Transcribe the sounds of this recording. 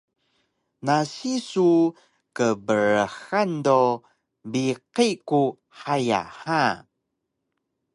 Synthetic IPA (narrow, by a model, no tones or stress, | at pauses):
nasisu | kəbəɾəxando | biqiku | haja̰ha